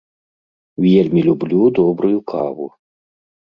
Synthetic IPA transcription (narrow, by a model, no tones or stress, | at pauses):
wjʲɛrmʲilʲublʲud̪ɔbɾʊjukʰa̰vṵ